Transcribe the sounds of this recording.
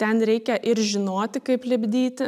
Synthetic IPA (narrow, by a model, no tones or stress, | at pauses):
t̪ʲɛnɾʲɛɪkʲɛʔɪɾʒʲɪnoːt̪ʲɪkɐɪplʲɪbʲd̪ʲiːt̪ʲɪ